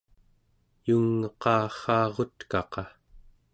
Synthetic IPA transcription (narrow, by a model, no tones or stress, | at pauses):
juŋːʌqɑːχɑːʁo̞t̪kɑqɑ